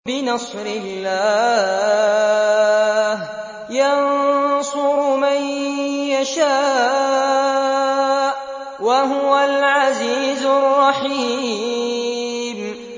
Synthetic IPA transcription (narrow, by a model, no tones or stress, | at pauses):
bɪnɑsˤɾɪlːaː | h | jansʊɾʊmajjaʃaː | ʔ | waɦʊwalʕaziːzʊrˤːɑħiː | m